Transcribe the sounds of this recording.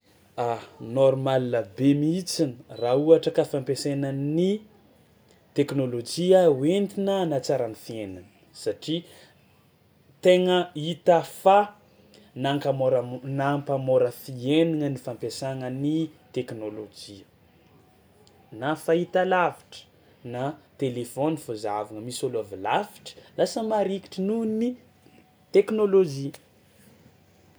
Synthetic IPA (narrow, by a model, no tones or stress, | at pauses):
anoɾmalilabemit͡sinərauaʈ͡ʂəkafampesenəni | t̪eknolod͡ʒiawent̪inənat͡saɾanifienanə̥ | saʈ͡ʂi | t̪eŋəit̪əfa | naŋkamoɾnampamoɾəfieniŋənifampesaŋənit̪eknolod͡ʒi | nafait̪alavi̥ʈ͡ʂə̥ | nat̪elefonifozavaŋəmisoluavilaviʈ͡ʂə̥lasəmaɾiki̥ʈ͡ʂənuni | t̪eknolod͡ʒi